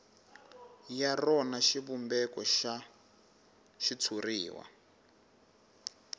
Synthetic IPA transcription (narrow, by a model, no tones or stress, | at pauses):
jarɔnaʃiβumbɛkɔʃa | ʃit͡sʰuriːwa̰